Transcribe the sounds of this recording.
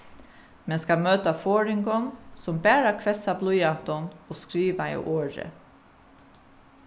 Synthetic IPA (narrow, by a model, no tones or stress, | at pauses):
mɛnskɑmøːt̪ɑfoːɹɪŋɡɔŋsɔmbæːɾɑkʰʋɛsɑblujɑt̪ɔnoːskɾiːʋɑḭːʔoːɾə̰